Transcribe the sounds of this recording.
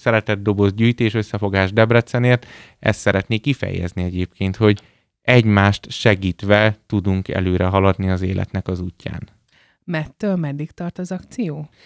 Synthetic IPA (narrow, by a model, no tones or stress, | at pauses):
sɛɾɛt̪ɛd̪ːo̞bo̞zɟyːjt̪eːʃøsːɛfo̞ɡaːʒd̪ɛbrɛt̪sɛneːrt̪ | ɛ̰st̪sɛɾɛt̪neːkːifɛ̰jɛ̰zniɛɟeːpkeːnt̪ho̞ɟ | ɛɟmaːʃt̪ʃɛɡiːt̪ʋɛt̪ud̪uŋkɛ̰løːɾɛɦɒlɒd̪niɒzeːlʔɛ̰t̪nɛkɒzuːcːa̰ːn | mɛt̪ːøːlmɛd̪ːikt̪ɒrt̪ɒzɒkt̪sijoː